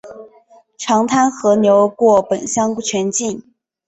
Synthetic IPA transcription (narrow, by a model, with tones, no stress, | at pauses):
ʈ͡ʂʰɑ˧˥ŋt̪ʰa˥nxɤ˧˥njo˧˥ʊkwɔ˥˩pə˨˩nɕjɑ˥ŋku˥˩t͡ɕʰɥɛ˧˥nt͡ɕi˥˩n